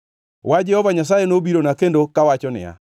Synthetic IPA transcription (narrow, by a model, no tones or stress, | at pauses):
wad͡ʒɛhɔvaɲas̬ajenobiɾonakendokawat͡ʃɔnɪ̰a̰